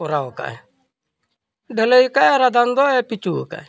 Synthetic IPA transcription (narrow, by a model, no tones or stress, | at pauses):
uɾaoka̰ʔe | daleikaeɾad̪and̪ɔepit͡ʃuka̰e